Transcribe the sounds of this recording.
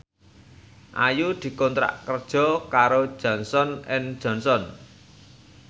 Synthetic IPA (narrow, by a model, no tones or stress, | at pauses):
ʔajud̪̥i̤kɔnt̪ɾa̰ʔkərd̥ʒ̥ɔ̤kaɾod̥ʒ̥ɔ̤nsɔnɪnd̥ʒ̥ɔ̤nsɔn